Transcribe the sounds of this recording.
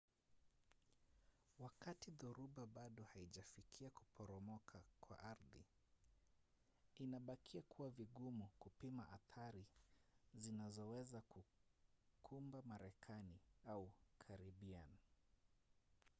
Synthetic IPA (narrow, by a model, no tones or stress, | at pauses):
wakatiðuɾuɓaɓaɗɔhaiʄafikʰiaku̥pʰɔɾɔmɔkʰakwa̰ʔaɾðḭ | inaɓakʰiakʰuwaviɠumukupimaʔaθaɾi | zinazɔwɛzaku | kʰumbamaɾɛkʰaniaukʰaɾiɓian